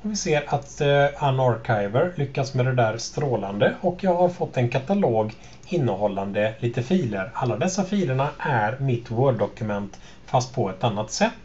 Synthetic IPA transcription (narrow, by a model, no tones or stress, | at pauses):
ɔvɪseːɾat̪anaɾkʰaɪvəɾlʏkːasmɛd̪ɛd̪æːɾst̪ɾoːland̪əʔɔkjɑːɡhaɾfɔt̪ːɛnkʰat̪aloːɡ | ɪnːəhɔlːand̪əliːt̪əfiːləɾalːad̪ɛsːafiːləɳaʔæɾmɪt̪ːwœːɖːɔkɵmɛnt̪ | fast̪̚pʰɔɛt̪anːat̪sɛt̪ː